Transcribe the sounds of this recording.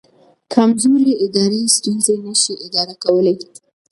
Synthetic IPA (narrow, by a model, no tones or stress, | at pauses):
kʰamzoliɪd̪ɑɾest̪unzenaʃiʔɪd̪ɑɾakawəlei